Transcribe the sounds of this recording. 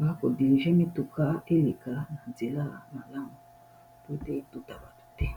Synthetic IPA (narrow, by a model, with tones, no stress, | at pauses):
ba˨˦ko˨di˨ɾi˨ʒɛ̃˦mi˦tu˨ka˦e˦le˨ka˨na˨nd͡ze˨la˦˨na˨la˦˨ŋo˨ | pu˦e˦te˦i˦tu˦ta˨ba˨t̪u̥˨tɛ˦